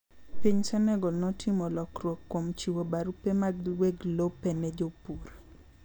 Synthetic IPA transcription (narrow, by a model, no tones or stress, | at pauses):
piɲsɛnɛɡɔnɔtʰimɔlɔkɾwokːomt͡ʃiwobaɾupemaɡweɡlopenɛd͡ʒopuɾ